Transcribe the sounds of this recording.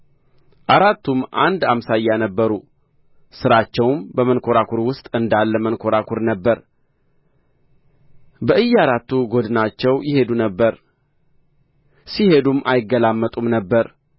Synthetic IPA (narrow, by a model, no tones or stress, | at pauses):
ʔaɾat̪ːumʔand̪amsajːanəbːəɾu | sɨɾat͡ʃːɛwmbəmənkʰo̞ɾakʰuɾwʊst̪ʼɨnd̪alːəmənkʰo̞ɾakʰuɾnəbːəɾ | bəʔɨjːaɾat̪ːuɡo̞d̪ɨnat͡ʃːɛwjɪhe̞d̪unəbːəɾ | sihe̞d̪umʔa̰jɪɡːəlamːət̪ʼumnəbːəɾ